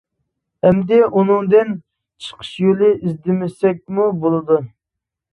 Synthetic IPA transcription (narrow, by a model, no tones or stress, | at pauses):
ɛmd̪ɛʔunɨŋd̪ɪn | t͡ʃʰə̥qʰə̥ʃjolˠɪʔizd̪ɪmɪsɛk̚ʲmubolˠɨd̪u